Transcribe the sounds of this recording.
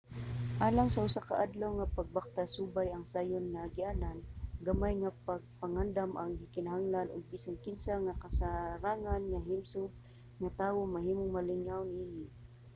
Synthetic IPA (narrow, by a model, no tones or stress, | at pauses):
ʔaːlaŋsaʔʊsakaʔad̪lawŋapaɡ̚bak̚t̪asuːbajaŋsaːjʊnŋaɡɪʔananɡamajŋapaɡ̚paŋand̪amʔaŋɡɪkɪnaɦaŋlanʔʊɡ̚pisaŋkɪnsaŋakasaɾaːŋanŋaɦɪmsʊɡ̚ | ŋat̪aːwoŋmaɦiːmoŋmalɪŋawnʔiːnɪ